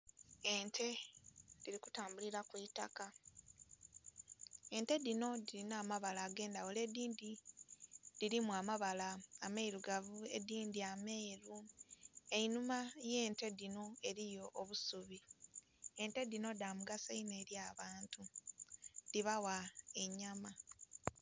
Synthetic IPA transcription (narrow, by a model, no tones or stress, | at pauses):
e̞ntʰe̞diɾiku̥taːmbuliɾakwita̰ka | e̞nte̞dino̞diɾinaːmaβalaːɡe̞ːndawole̞diːndi | diɾimuamaβalaːmeiɾuɡavue̞̰diːndiame̞ːɾu | e̞inumaje̞ːnte̞dino̞e̞ɾijo̞ʔːβusuβi | e̞nte̞dino̞damuɡasaine̞ːɾjaːβaːntu | diβawae̞ɲːama